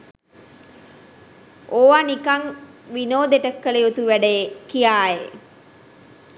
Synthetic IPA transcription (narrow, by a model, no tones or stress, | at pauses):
ʔoʋanikaŋ | ʋinoːd̪eʈəkːəlejot̪uʋæɖəjekijaːje